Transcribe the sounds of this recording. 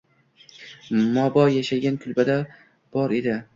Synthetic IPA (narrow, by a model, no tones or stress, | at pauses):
mɒbɒjaʃaɡʲankʰʊlˠbad̪a | b̥ɒɾe̞d̪ɪ